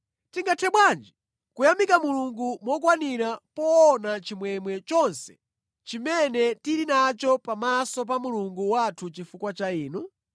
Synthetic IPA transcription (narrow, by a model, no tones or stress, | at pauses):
tiŋɡatʰɛɓwand͡ʒi | kujamikamuluŋɡumwɔk̬waniɾapɔːnat͡ʃimwɛmwɛt͡ʃɔnsɛ̥ | t͡ʃimɛnɛtiɾinat͡ʃɔpamasɔp̬amuluŋɡuwatʰut͡ʃifukwat͡ʃaiːnu